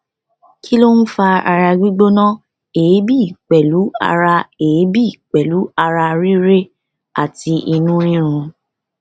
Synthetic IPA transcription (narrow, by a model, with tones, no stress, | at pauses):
kʰi˦lo˦n̩˦fa˧a˧ɾa˧ɡ͡bi˦ɡ͡bo˦nã˦ | eː˨˦bi˦˨k͡pɛ˨lu˨˦a̰˧ɾa˧eː˨˦bi˦i˦˨k͡pɛ˨lu˨˦a˧ɾa˧ɾi˦ɾe˦ | a̰˦˨ti˧i˧nũ˦ɾ̃ĩ˦ɾ̃ũ˧